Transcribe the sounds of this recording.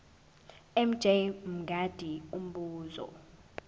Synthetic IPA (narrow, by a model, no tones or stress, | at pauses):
ɛm̩d͡ʒ̥ʱejm̩ɡʱad̥ʱium̩ɓuːzɔ̰